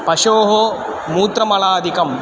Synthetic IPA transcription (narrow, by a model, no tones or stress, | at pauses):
pɐʃoːɦo | muːt̪ɾɐmɐɭaːd̪ʱikɐm